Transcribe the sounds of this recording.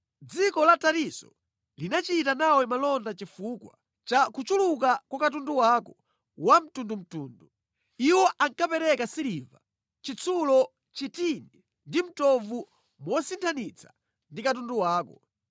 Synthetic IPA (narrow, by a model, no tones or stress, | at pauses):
d͡zikɔlataɾisɔ̰ | linat͡ʃitanawɛmalɔndat͡ʃifukwa | t͡ʃakut͡ʃuluk̬akwakat̬unduwakɔ | wam̩tundum̩tuːndu | iwɔʔaŋkapɛɾɛkasiliva | t͡ʃit͡sʰulɔ | t͡ʃitini | ndim̩tɔvu | mɔsintʰanit͡sʰḁ | ndikat̬unduwaːkɔ